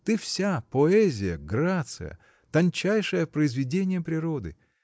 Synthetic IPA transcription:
t̪ɨfsʲapoɛzʲɪjə̰ɡɾat̪sɨ̰jə̰ | t̪ɐnʲt͡ɕæjʂəjəpɾəɪzvʲɪdʲenʲɪjəpɾʲɪɾo̞d̪ɨ̰

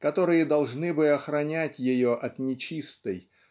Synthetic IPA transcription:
kɐt̪o̞ɾɨjəd̪ɐlˠʐnɨbɨɐxɾɐnʲætʲjɪjoʔɐt̪nʲɪt͡ɕist̪əj

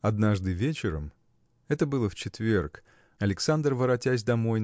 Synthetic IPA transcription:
ɐd̪naʐd̪ɨvʲet͡ɕɪɾəm | ɛt̪əbɨlˠəft͡ɕɪt̪vʲerk | ɐlʲɪksand̪rvəɾɐtʲæsʲd̪ɐmoj

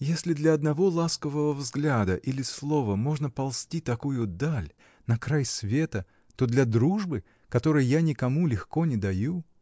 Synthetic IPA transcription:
jesʲlʲɪd̪lʲɐɐd̪nɐvo̞lˠaskəvəvəvzɡlʲad̪əʔilʲɪslˠo̞vəmo̞ʐnəpɐlˠsʲtʲit̪ɐkujʊd̪alʲ | nɐkɾajsvʲet̪ə | t̪o̞d̪lʲɐd̪ɾuʐbɨ | kɐt̪o̞ɾɨjjanʲɪkɐmulʲɪxko̞nʲɪd̪ɐju

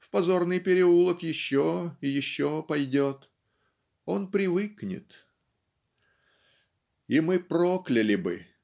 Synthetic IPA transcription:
fpɐzo̞rnɨjpʲɪɾʲɪulˠəkjɪɕːoɪjɪɕːo̞pɐjdʲo̞t̪ | o̞npɾʲɪvɨknʲɪ̰t̪ | imɨproklʲɪlʲɪbɨ̰

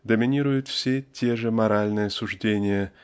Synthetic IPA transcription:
d̪əmʲɪnʲiɾʊjʊt̪fsʲetʲʰe̞ʐəmɐɾalʲnɨjəsuʐdʲenʲɪjə

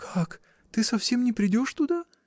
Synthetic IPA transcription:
kʰak | t̪ɨsɐfsʲe̞mnʲɪpɾʲɪdʲo̞ʂt̪ʊd̪a

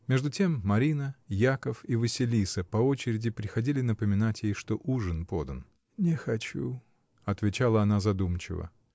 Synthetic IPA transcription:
mʲeʐd̪ʊtʲe̞mːɐɾʲinəjakəfivəsʲɪlʲisəpɐo̞t͡ɕɪɾʲɪdʲɪpɾʲɪxɐdʲilʲɪnəpəmʲɪnatʲjejʂt̪o̞ʔuʐɨnpo̞d̪ən | nʲɪxɐt͡ɕṵ | ɐt̪vʲɪt͡ɕalˠəɐnazɐd̪umt͡ɕɪ̰və̰

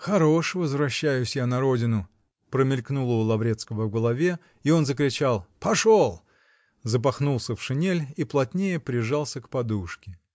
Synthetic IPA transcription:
xɐɾo̞ʂvəzvɾɐɕːæjʊsʲjanɐɾo̞dʲɪnʊ | pɾəmʲɪlʲknulˠəːlˠɐvɾʲe̞t̪skəvəvɡəlˠɐvʲe | io̞nzəkɾʲɪt͡ɕalˠpɐʂolˠ | zəp̬ɐxnulˠsʲəfʂɨnʲelʲiplˠɐtʲnʲejəpɾʲɪʐɑlˠsʲəkpɐd̪uʂkʲɪ

